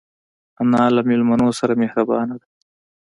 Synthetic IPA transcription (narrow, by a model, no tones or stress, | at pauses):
anɑːlamɪlmanosaɾamehɾabɑːnaɽa